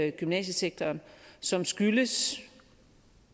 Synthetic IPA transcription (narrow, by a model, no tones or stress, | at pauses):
ɡ̥ymnɛ̰ːɕəseɡ̥̚t͡sʰɐːnsɒ̽msɡ̥yləs